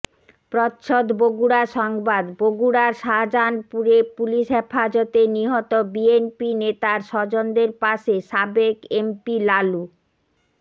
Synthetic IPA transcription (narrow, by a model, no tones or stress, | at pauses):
pɾɔt̪ʃʰod̪boɡuɽaɾʃɔŋbad̪boɡuɽaɾʃad͡ʑanpuɾepuliʃɦefad͡ʑɔt̪eniɦɔt̪obienpinet̪aɾʃɔd͡ʑond̪eɾpaʃeʃabekempilalu